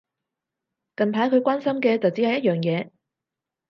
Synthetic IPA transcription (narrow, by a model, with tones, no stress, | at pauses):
kɐ˨npʰaː˨˥jkʰɵ˨˧ɥkʷaː˥nsɐ˥mkɛː˧t͡sɐ˨wt͡si˨˥hɐ˨˧jɐ˥t̚jœː˨˩ŋjɛː˨˧